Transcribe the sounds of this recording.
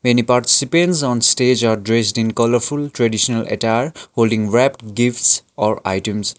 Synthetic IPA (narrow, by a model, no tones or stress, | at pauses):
menipaɾʈi̥sipẽnsɔ̃nsʈed͡ʒaɾɖɾesʈĩnkʌləɾpʰulʈɾeɖisɔnəlʔḛtaɾholɖĩŋɹɛpʈɡifʈsɔɾa̰jʈũms